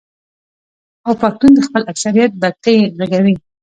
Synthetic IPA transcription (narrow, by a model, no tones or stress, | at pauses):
awfak̚t̪und̪əxpəlʔaksaɾijat̪̚baɾ̚t̪eɣaɡawi